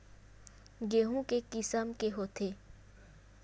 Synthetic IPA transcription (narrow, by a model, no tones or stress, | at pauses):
ɡeːɦũkekɪsəmkeɦoːt̪ʰeː